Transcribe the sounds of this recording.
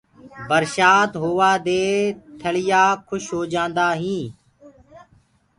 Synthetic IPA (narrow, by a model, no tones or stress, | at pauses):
bəɾʃaːt̪ɦoːʋaːd̪eːt̪ʰəɭɪjaːkʰʊʃɦoːd͡ʒãːnd̪aːɦĩː